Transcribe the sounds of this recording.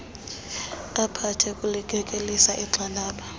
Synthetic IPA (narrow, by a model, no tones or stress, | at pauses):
apʰatʰɛkʼulikʼɛkʼelisaʔiǁʱalaːɓa